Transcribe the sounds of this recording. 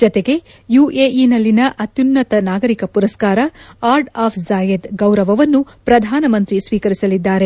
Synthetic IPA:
d͡ʒɔt̪e̞ɡe̞ | juːeʔinɐlːinɐʔɐt̪junːɐt̪ɐnaːɡɐɾikɐpuɾɐskaːɾɐaːɾɖaːpʰzaːjed̪ɡɐwɾɐʋɐʋɐnːupɾɐd̪ʱaːnɐmɐnt̪ɾisʋiːkɐɾisɐlid̪ːaːɾe̞

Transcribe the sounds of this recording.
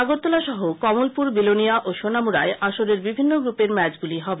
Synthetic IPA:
aɡoɾt̪olaʃɔɦokɔmolpuɾbiloniaʔoʃonamuɾaeʔaʃoɾeɾbibʱinːoɡɾupeɾmɛt͡ɕɡuliɦɔbe

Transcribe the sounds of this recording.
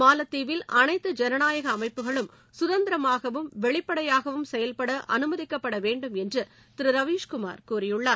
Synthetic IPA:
maːlɐt̪ːiːʋɪlʔɐnɐɪt̪ːɯd͡ʒɛnɐnaːjɐɣɐːmɐɪpːɯɣɐɭɯm | sʊðɐnd̪ɪɾɐmaːɣɐʋɯmʋɛɭɪpːɐɽɐjaːɣɐʋɯmsɛjɐlpɐɽɐʔɐ̰nɯmɐðɪkːɐpːɐɽɐʋeːɳɖɯmɛndrɯ | t̪ɪɾɯɾɐʋiːʂkʊma̰ːɾkuːɾɪjɯɭːaːɾ

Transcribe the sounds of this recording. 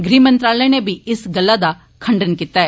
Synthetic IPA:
ɡɾiːmə̃nt̪ɾaːlənebʱiɪsɡɐlːad̪a | kʰəɳɖənkiːt̪aɦɛː

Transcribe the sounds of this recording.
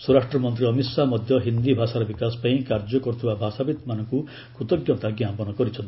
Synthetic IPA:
suɾaʃʈɾɔmɔnt̪ɾiɔmisamɔd̪ʱjɔɦind̪ibʱasaɾɔbikasɔ̥paĩkaɾd͡ʒɔkɔɾut̪ʰibabʱasabit̪manɔŋku | kut̪ɔɡjɔt̪aɡjãmpɔnɔkɔɾit͡ʃʰɔnt̪

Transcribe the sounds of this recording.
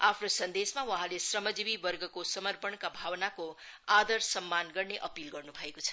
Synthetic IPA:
apʰnosʌnd̪esmawʌɦãlesrʌmʌd͡zibibʌrɡʌkosʌmʌrpʌɳkabʱawnakoad̪ʌrsʌmːanɡʌrneʔʌpilɡʌrnubʱʌekot͡sʰʌ̥

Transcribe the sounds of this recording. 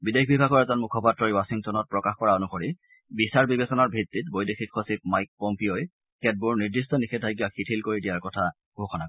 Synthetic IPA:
bidekʰbibʱaɡɔɹɛzɔnmukʰɔpatɹɔɹiwasiŋtɔnɔt̚pɹɔkaxkɔɹaonuxoɹi | bisaɹbibesɔnaɹbʱɹitːitbojdexʰikʰːosip̚majk̚pompioj | kɛt̚buɹniɹdistɔnixʰɛtʰajɡiaxʰitʰilkoɹidijaɹkɔtʰa | ɡʱoxʰɔnak

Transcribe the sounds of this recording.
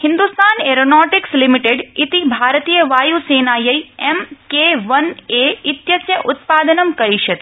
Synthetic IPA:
hɪ̃nd̪ust̪aːneɾonoːʈɪkslimiʈeɖit̪ibʱaːɾt̪ijəʋaːjuseːnaːjɐjemkeʋɐneɪt̪jɐsjəʔʊt̪paːd̪ənəmkɐɾiʃʰɐt̪

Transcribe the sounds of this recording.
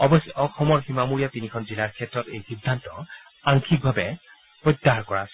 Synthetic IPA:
ɔbɔsɔxɔmɔɹximamuɹijatinikʰɔnzilaɹkʰɛtɹɔtejxidʱːantɔ | aŋkʰik̚bʱabɛ | pɹɔtːaɹkɔɹas

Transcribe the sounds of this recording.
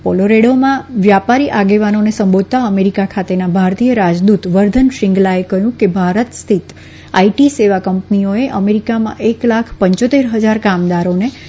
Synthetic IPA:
poloɾeɽomãʋjapaɾiʔaɡeʋanonesəmbod̪̚ʱt̪aəmeɾikakʰat̪enabʱaɾt̪ijəɾad͡ʒd̪ut̪ʋəɾd̪ʱənʃɪŋɡlaekəɦjũkebʱaɾət̪st̪ʰit̪ | aiʈiseʋakəmpnioeʔəmeɾikamã̰ʔeklakʰpəɲt͡ʃot̪eɾɦəd͡ʒaɾkamd̪aɾone

